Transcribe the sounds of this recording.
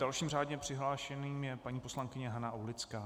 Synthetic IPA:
d̥alʃiːmraːdɲɛpr̥ɪɦlaːʃɛniːmjɛpaɲiːpo̞slaŋkɪɲɛɦanaʔowlɪt͡skaː

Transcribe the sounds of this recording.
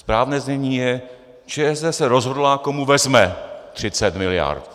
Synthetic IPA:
spɾaːvnɛːzɲɛɲiːjɛ | t͡ʃɛɛzdɛsɛɾozɦo̞dlaːko̞muvɛzmɛt̪r̝̥ɪt͡sɛt̪mɪlɪja̰ɾt̪

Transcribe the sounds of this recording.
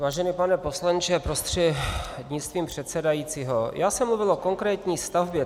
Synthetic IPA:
vaːʒɛnipanɛpo̞slant͡ʃɛpɾost̪r̥ɛd̪ɲɪt͡st̪viːmpr̝̥ɛt̪sɛdajiːt͡siːɦojʔaːsɛmluvɪlʔo̞ko̞ŋkɾɛːt̪ɲiːst̪avbjɛ

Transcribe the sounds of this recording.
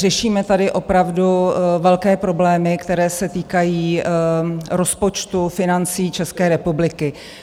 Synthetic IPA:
rɛʃiːmɛt̪adɪʔo̞pɾavduvɛlkɛːpɾo̞blɛːmɪkt̪ɛɾɛːsɛt̪iːkajiː | ɾo̞spot͡ʃt̪ufɪnant͡siːt͡ʃɛskɛːɾɛpublɪkɪ

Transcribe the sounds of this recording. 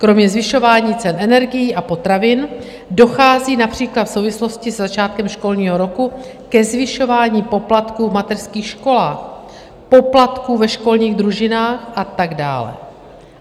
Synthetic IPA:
kɾo̞mɲɛzvɪʃo̞vaːɲiːt͡sɛnʔɛnɛɾɡɪjiːʔapo̞t̪ɾavɪn | do̞xaːziːnapr̝̥iːklat̪fso̞wvɪslo̞scɪsɛzat͡ʃaːt̪̚kɛmʃko̞lɲiːɦo̞ɾo̞ku | kɛzvɪʃo̞vaːɲiːpo̞plat̪kuːmat̪ɛrskiːxʃko̞laːx | po̞plat̪kuːvɛʃko̞lɲiːɣd̪ɾuʒɪnaːxʔat̪aɡda̰ːlɛ̰

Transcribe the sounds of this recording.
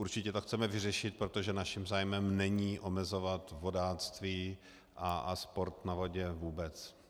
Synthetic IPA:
uɾt͡ʃɪcɛt̪oxt͡sɛmɛvɪrɛʃɪt̪̚pɾot̪oʒɛnaʃɪmzaːjmɛmnɛɲiːʔo̞mɛzo̞vat̪vo̞daːt͡st̪viː | ʔaaspo̞ɾt̪navoɟɛvuːbɛt͡s

